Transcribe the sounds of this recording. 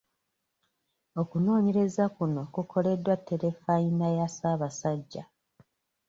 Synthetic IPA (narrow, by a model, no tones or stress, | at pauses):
o̞kuno̞ːɲe̞ɾe̞zakuno̞kukʰo̞le̞dːwatʰːe̞ɾe̞fainajasaːβasaɟːa̰